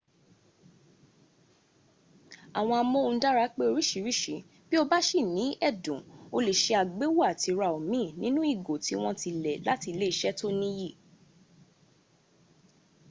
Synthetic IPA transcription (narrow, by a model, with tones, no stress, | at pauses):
a˨w̃ɔ̃˧a˧mõ˦˧˦da˦ɾa˦k͡pe˦o˧ɾi˦ʃi˨˦ɾi˦ʃi˨˦ | b̥i˦o˧ba˦ʃi˦˨nĩ˨˦ɛ˦˨dũ˨o˧le˨ʃe˧a˨ɡ͡be˦wo˦a˦˨ti˨˧ɾa˧˨o˨mĩ˦˨nĩ˦nũ˦i˦˨ɡo˨ti˨˦w̃ɔ̃˧ti˧lɛ˨la˦ti˧le˦i˨ʃɛ˦to˦nĩ˦ji˦˨